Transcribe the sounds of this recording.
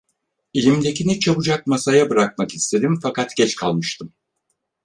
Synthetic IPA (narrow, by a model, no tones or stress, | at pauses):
ilʲimd̪e̞cʰinɛt͡ʃʰaβɯd͡ʒak̚masajabɯɾak̚makist̪ʰe̞d̪imfakat̪ɟ̥ɛt͡ʃkʰa̰lˠmɯʃt̪ʰɯm